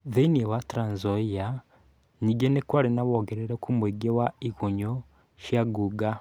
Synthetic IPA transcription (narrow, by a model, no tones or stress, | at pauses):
ðeniewatɾaːnzoija | niɡenekwaɾinaβoɡeɾeɾekʰumweɡewaikoɲo | ʃjaɡuɡa